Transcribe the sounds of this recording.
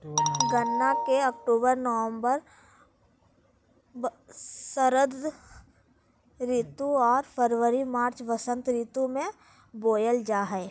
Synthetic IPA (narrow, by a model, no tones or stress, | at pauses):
ɡənːakeɐk̚ʈuːbəɾnəʋə̃mbəɾ | səɾəd̪ | ɾit̪uɔːɾpʰəɾʋəɾimaːɾt͡ʃʋəsə̃nt̪ɾiːt̪umẽ | boːjəld͡ʒaːɦɛː